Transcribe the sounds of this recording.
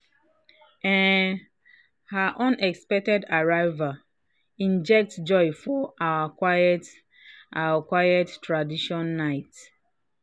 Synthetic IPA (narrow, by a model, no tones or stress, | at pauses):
ɛ̃n | haʔɔ̃nɛkspɛk̚tɛdaɹaɪva | ĩnd͡ʒɛk̚td͡ʒɔɪfɔʔawakwajɛt | ʔawakwajɛtːɹadiʃɔ̃nːaɪt